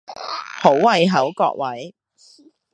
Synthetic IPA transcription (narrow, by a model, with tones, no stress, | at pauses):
ho˨˥wwɐ˨˧jɦɐ˨˥wkɔ̰ː˧k̚wɐ˨˥j